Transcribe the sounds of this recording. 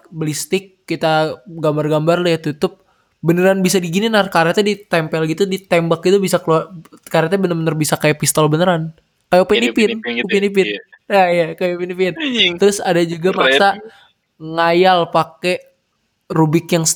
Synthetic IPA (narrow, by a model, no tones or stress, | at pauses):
bəlist̪ɪkːit̪aɡambarɡambarlajat̪ut̪ʊp̚ | bənəɾanbisadiɡininarkaɾat̪adit̪ɛmpɛlɡit̪udit̪ɛmbakit̪ubisakəluakaɾat̪abənərmənərbisakajapist̪ɔlbənəɾan | kajapɛnipɪnkupinip̬ɪnajakajapinipɪnt̪əɾʊsadad͡ʒuɡamasa | ŋajalpake | rubɪkjaŋ